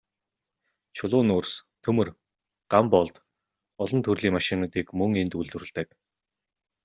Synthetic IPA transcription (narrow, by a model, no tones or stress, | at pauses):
t͡ɕʰʊɮʊːnʊːrst̪ʰɵmɵ̆r | ɢ̥ampɔɮt̪ | ɔɮɞ̆nt̪ʰɵrɮiːŋmaʃɪnat̪iːkmɵŋent̪uɮt̪ɵ̆rɘ̆ɮt̪ə̆ːk